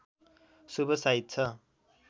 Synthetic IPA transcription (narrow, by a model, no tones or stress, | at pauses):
subʌsait̪̚t͡sʰʌ